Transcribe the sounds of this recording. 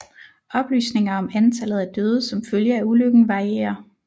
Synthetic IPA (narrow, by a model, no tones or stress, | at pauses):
ɒ̽b̥ly̰ːsne̝ŋɐɒ̽mænt͡sʰælð̞̩ˠæd̥øːð̞ˠsɒ̽mføljəæuløɡ̥n̩ʋɑ̈ʁiḛːɐ